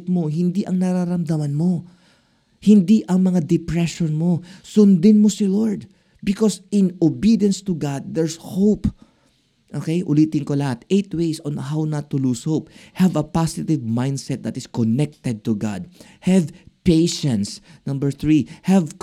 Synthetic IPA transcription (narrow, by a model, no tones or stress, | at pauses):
t̪̚mo̞ɦɪnd̪iʔɐŋnɐɾaɾɐmd̪ɐmɐnmo̞ | hɪnd̪iʔɐŋmɐŋad̪ɛpɹɛʃɔnmosʊnd̪ɪnmosɪloɹd̪̚ | bɪkɔsɪnobid̪jɐ̃nst̪ʊɡad̪̚ːɛɹshowp | ʔokejʔʊliːt̪ɪnko̞lɐhat̪ejt̪wejsɔ̃nɐhawnɐt̪ːʊlushowp̚hɛvɐpasɪt̪ɪvmãjnd̪sɛt̪̚d̪ɐt̪ɪskɔnɛk̚t̪ɛd̪̚t̪ʊɡa̰d̪̚ | hɛvpejʃɛ̃nsnɐ̃mbɛɹθɹihɛvk